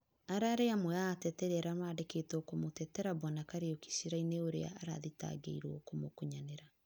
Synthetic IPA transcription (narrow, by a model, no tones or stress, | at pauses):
aɾaɾeamwɛaːtɛtɛɾeaɾamaːdeketɔkomotɛtɛɾabɔnakaɾeoki̥ʃiɾaineoɾḛa̰aɾa̰ðita̰ɡḛiɾwo̰komokuɲaneɾa